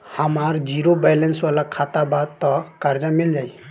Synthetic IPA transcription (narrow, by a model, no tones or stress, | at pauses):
həmaɾd͡ʒiɾobalensʋalakʰat̪abad̪t̪ɔkəɾd͡ʒamild͡ʒaj